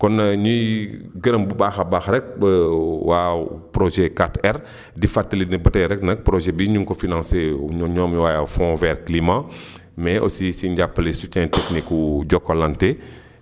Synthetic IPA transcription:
kɔnːɲujɡənəmbubaːxɐbaxɾɛk̚bəwaːpɾɔʒɛkatɛɾ | difatːilitnəbətɛɾɛk̚nɐk̚pɾoʒɛbiɲuŋkɔfinãnseɲɔːmiwaːjafɔ̃vɛɾklimã | mɛʔɔ̰sisiɲɟapːəlesut͡ʃɛ̃ntɛknikwuɟɔkːɔlante

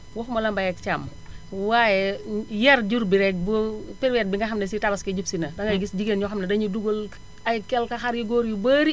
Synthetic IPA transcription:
wɔxmɐlɐmbɐjɛk̚t͡ʃam | wajɛjɐɾɟuɾbiɾɛk̚bupiɾwɛt̚biŋɡɐxɐmnɐsitabɐskɐɟupsinɐdɐŋɡɐɡisɟiɡenɲɔxɐmnɐdɐɲuduɡol | ɐjkɛlkɐxɐɾjiɡoːɾjubɐːɾi

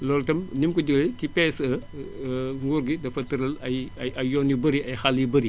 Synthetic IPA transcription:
lɔːltɐmnimkuɟəɡɐltipɛːsɐ | ŋɡuɾɡidɐfɐtɐɾɐlɐjɐɐjɔnibɐɾiɐjxalːibəɾi

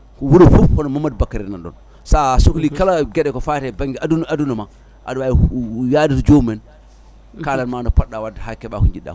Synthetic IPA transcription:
kɔwuɾifupkɔnɔmamːadbakːaɾɛnanɗɔ̰n | sasoklikalaɡɛɗɛkɔfatɛbaŋɡɛdadunɔma | ʔa̰ɗajaditɔd͡ʒomɛn | kalanmanɔpaɗːawadahakːɛɓakɔɲd͡ʒiɗːa̰k

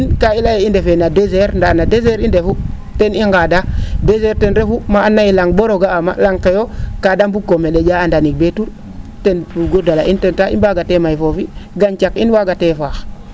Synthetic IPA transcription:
inkailajeindefenadezeɾndanadezeɾindefu | teniŋɡadadezeɾtenɾefumaːnːailaŋboɾoɡaama̰laŋkejokadambukomeɗed͡ʒaandanik̚betuɾ | tenpuɡodalaʔintentaḭbaɡatemajfofiɡant͡ʃakinwaɡatefax

